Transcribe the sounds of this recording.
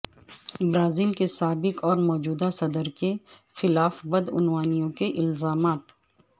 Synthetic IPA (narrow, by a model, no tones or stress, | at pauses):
bɾaːziːlkesaːbɪkɔːɾmɔːd͡ʒuːd̪asɐd̪əɾkexɪlaːfbɐd̪ʊ̰nwaːnijõkeʔɪlzaːmaːt̪